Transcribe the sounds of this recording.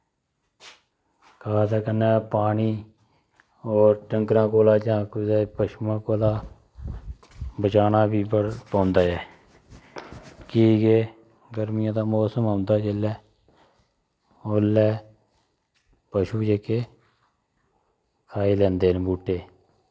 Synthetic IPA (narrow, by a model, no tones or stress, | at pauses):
kaːd̪aːkənːaːpaːɳiː | oːɾʈəŋkɾãːkoːlaːd͡ʒãːkʊɛːpəʃmãːkoːlaː | bət͡ʃaːnaːbiːpãːnd̪aːɛː | kiːɡeː | ɡəɾmɪjãːd̪aːmoːsəmãːnd̪aːt͡ʃeːlɛː | olːɛː | pəʃuːd͡ʒeːkeː | kʰaːiːlɛ̃ːnd̪eːnbuːʈːeː